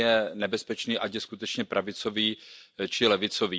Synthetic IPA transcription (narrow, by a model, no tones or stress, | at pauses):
jɛnɛbɛspɛt͡ʃniːʔacjɛskut̪ɛt͡ʃɲɛpɾʔavɪt͡so̞viːt͡ʃɪlɛvɪt͡soviː